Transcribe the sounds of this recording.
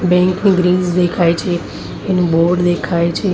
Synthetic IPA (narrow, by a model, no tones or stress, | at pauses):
bɛ̃ːŋknĩɡɾĩːzd̪eːkʰaːet͡ʃʰe | ɪnboːɾɖd̪eːkʰaːet͡ʃʰe